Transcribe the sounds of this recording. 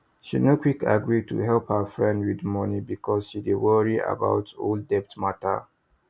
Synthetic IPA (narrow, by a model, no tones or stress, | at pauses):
ʃḭnokwika̰ɡɹid̚tṵɦɛlˠphəfɹɛ̃ndwidmɔnibikʰɔsʃidiwɔɹia̰ba̰ʊtʰo̰ldɛp̚tmatə̰